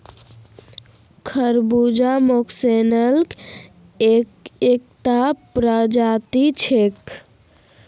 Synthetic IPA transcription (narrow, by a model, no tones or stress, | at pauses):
kʰəɾbud͡ʒamoksenəlk | ek̚t̪apɾəd͡ʒat̪it͡ʃʰek